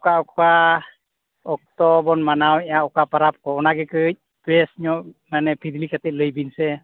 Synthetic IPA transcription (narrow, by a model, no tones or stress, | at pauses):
ɔkaɔka | ɔk̚tɔbɔnmanawɛjaɔkapaɾap̚kɔɔnaɡɛkɯj̚ | b̥ɛsɲɔʔmanɛpʰid̪likat̪ɛʔ̚ləjbinsɛ